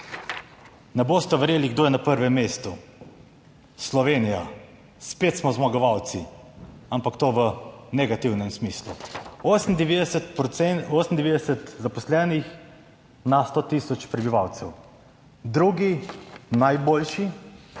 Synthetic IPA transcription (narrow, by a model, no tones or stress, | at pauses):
nɛboːst̪ɛʋɛɾjeːliɡd̪oːjɛnapəɾʋɛmːest̪u | slɔʋeːnija | spet̪smɔzmaɡɔʋawt̪si | ampakt̪oːʋənɛɡat̪iwnɛmsmislṵosn̩d̪ɛʋed̪ɛsɛt̪pɛoːsnd̪ɛʋeːd̪ɛsɛt̪zapɔslɛːnix | nast̪ot̪isɔt͡ʃpɾɛbiʋawt̪sɛw | d̪ɾuɡinajboːlʃi